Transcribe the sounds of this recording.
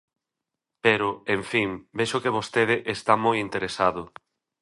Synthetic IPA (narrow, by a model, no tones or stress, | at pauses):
peɾʊeɱfiŋbeʃʊkeβ̞ost̪eð̞ɪʔest̪amojint̪eɾesaðʊ